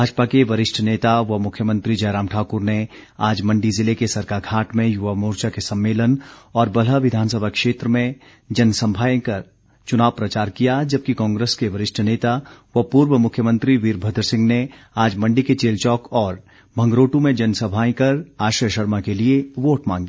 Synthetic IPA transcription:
baːd͡ʒpakeʋɐɾɪʃʈʰəneːt̪aʋɐmʊkʰjəmə̃nt̪ɾid͡ʒɐɾaːmʈʰaːkʊɾne | aːd͡ʒmɐ̃ɳɖizɪlekesɐɾkaːɾɡʱaːʈmẽjʊʋamoːɾt͡ʃakesɐ̃mːeːlənɔːɾbɐləʋɪd̪ʱaːns̬əbʱakʃeːt̪ɾəmẽ | d͡ʒɐnsɐ̃mbʱaːjẽkɐɾ | t͡ʃʊnaːʋpɾɐt͡ʃaːɾkijad͡ʒɐb̚kikɔ̃ːŋɡɾeːskeʋɐɾɪʃʈʰəneːt̪aʋɐpuːɾʋəmʊkʰjəmə̃nt̪ɾiʋiːɾbʱəd̪ɾəsɪ̃ŋɡne | aːd͡ʒmɐ̃ɳɖiket͡ʃeːlt͡ʃɔːkɔːɾ | bʱɐ̃ŋɡɾoːʈũmẽd͡ʒɐnsəbʱaːẽkɐɾaːʃɾəjəʃɐɾmakelieʋoːʈmãːŋɡ

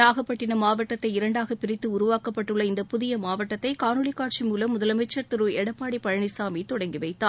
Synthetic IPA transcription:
aːɣɐpːɐʈːɪnɐmaːʋɐʈːɐt̪ːɐɪɪɾɐɳɖaːɣɐpɪɾɪt̪ːɯʊɾʊʋaːkɐpːɐʈːɯɭːɐɪnd̪ɐpʊðɪjɐmaːʋɐʈːɐt̪ːɐɪkaːnɯɭɪkːaːʈt͡ʃimuːlɐmːʊðɐlɐmɛt͡ʃːɐɾt̪ɪɾɯɛɽɐpːaːɽipːɐɻɐɳɪsaːmit̪ːɔɽɐŋɡɪʋɐɪt̪ːaː

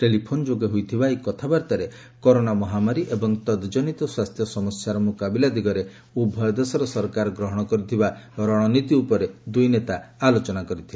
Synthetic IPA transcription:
ʈelipʰonɔd͡ʒoɡeɦujt̪ʰibaekɔt̪ʰabaɾt̪aɾe | kɔɾonamɔɦamaɾiʔebɔŋt̪ɔd̪d͡ʒɔnit̪ɔswast̪ʰjɔsɔmɔsjaɾɔmukabilad̪iɡɔɾe | ubʱɔjd̪esɔɾɔsɔɾkaɾɔɡɾɔɦɔɽ̃ɔkɔɾit̪ʰibaɾɔɽ̃ɔnit̪iupɔɾed̪ujnet̪aːlot͡ʃɔnakɔɾit̪ʰibe

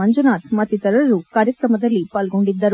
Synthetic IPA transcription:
ɐɲd͡ʒunaːt̪mɐt̪ːit̪ɐɾɐɾukaːɾjɐkɾɐmɐd̪ɐlːipaːlɡo̞ɳɖid̪ːɐɾu

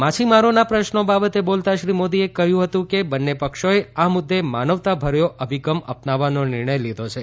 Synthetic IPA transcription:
mat͡ʃʰimaɾonapɾəʃnobabət̪ebolt̪aʃɾimod̪iekəɦjũɦət̪ũkebənːepəkʃoeamʊd̪ːemanəʋt̪abʱəɾjoʔəbʱiɡəmə̰pnaʋːanonɪɾɳ̃əjlid̪ʱot͡ʃʰe

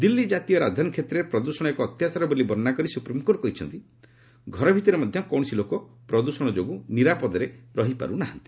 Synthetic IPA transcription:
d̪ilːid͡ʒat̪ijɔɾa̰d̪ʱankʰet̪ɾeɾpɾɔd̪usɔɽ̃ɔekɔːt̪jat͡ʃaɾɔbolibɔɾnakɔɾisupɾimkoɾkɔɦit͡ʃʰɔnt̪i | ɡʱɔɾɔbʱit̪ɔɾemɔd̪ʱjɔkɔwɽ̃ɔsilokɔpɾɔd̪usɔɽ̃ɔd͡ʒoɡuniɾapɔd̪ɔɾeɾɔɦipa̰ɾunaɦant̪i̥

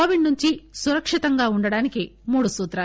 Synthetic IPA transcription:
oːʋiɳnuɲt͡ʃisuɾɐkʂit̪ɐŋɡaːuɳɖɐɽaːnikimuːɽusuːt̪ɾaː

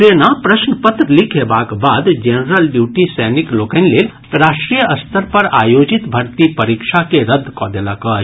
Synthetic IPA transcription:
ɾeːnapɾəʃnəpət̪ɾəlikʰebaːkbaːd̪d͡ʒenɾəlɖjuːʈisɛːnikloːkənleːl | ɾaːʃʈɾijəɐst̪ʰəɾpɐɾaːjoːd͡ʒit̪bʱɐɾt̪ipɐɾikʃakeɾəd̪ʱːkɔd̪elakɔ

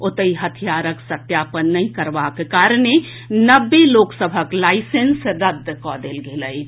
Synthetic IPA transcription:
ʊt̪əiɦət̪ʰijaːɾəksət̪jaːpənːəɦĩkəɾbakekaːɾne | nəbːeloːksəbʱəklaːɪsensɾəd̪kɔːd̪elɡeləi

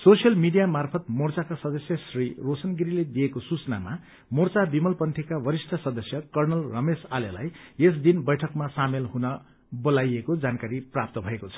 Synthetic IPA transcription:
sosjʌlmiɖijamarpʰʌt̪̚mort͡sakasʌd̪ʌsjʌsrirosʌnɡiɾiled̪ijekosut͡sʌna̰ma | mort͡sabimʌlpʌnʈʰekawʌɾisʈʰʌsʌd̪ʌsjʌkʌrnʌlrʌmesalela̰jes̬d̪inbʌjʈʰʌkmasamelɦunʌ | bolajekod͡zankaɾiprap̚t̪ʌbʱʌekot͡sʰʌ̥

